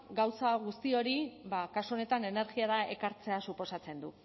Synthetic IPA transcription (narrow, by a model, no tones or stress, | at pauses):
ɡawsaɣ̞ust̪io̞ɾiβakasuo̞ne̞t̪ane̞ne̞ɾɣiaɾae̞kaɾt͡se̞asupo̞sat͡se̞nd̪u